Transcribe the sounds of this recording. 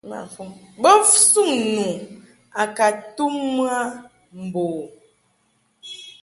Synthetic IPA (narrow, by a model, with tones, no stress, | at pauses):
ma̰˨fu˦bə˦fsu˦˨ŋnu˨ | a˨ka˨tu˦mː˦a˦ | m̩˨boː˨